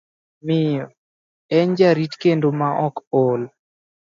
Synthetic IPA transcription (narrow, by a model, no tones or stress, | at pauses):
mɪjɔ | ɛɲd͡ʒaɾitkendomaʔɔkol